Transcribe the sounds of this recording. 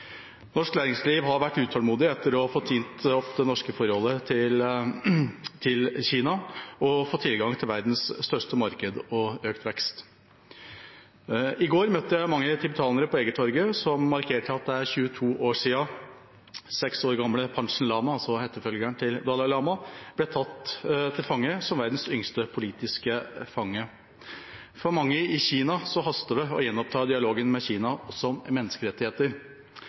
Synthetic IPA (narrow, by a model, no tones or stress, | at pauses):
nɔʂknæːɾɪŋsliːʋɦɑɾʋæʈːʉːt̪ʰɑlmuːd̪ɪɛt̪ʰːəɾɔfoːt̪ʰiːnt̪ɔpd̪ɛnɔʂkəfɔɾhɔlːət̪ʰɪl | t̪ʰɪlçiːnɑɔfoːt̪ʰːɪlɡɑŋt̪ʰɪlʋæɾd̪n̩sst̪œʂʈəmɑɾkəd̪ɔøːkt̪ʰʋɛkst̪ | ɪɡoːɾmœt̪ːəjæɪmɑŋːət̪ʰɪbət̪ʰɑːnəɾəpʰɔeːɡət̪ʰɔɾɡəsɔmmɑɾkʰeːʈʰəɑt̪̚d̪ɛæɾçʉːət̪ʰuːʔoːʂiːɑ | sɛksoːɾɡɑmləpʰɑnʂn̩lɑːmɑɑlsɔhɛt̪ːəfœlɡæɳt̪ʰɪld̪ɑːlɑlɑːmɑb̥lɛt̪ʰɑt̪ːt̪ʰɪlfɑŋːəsɔmʋæɾd̪n̩sʏŋst̪əpʰʊliːt̪ɪskəfɑŋːə | fɔɾmɑŋːəɪçiːnɑsɔɦɑst̪əd̪ɛɔ̰jɛnːɔp̚t̪ʰɑːd̪ɪɑloːɡənmɛçiːnɑsɔmmɛnːəskəɾɛt̪ːɪheːt̪əɾ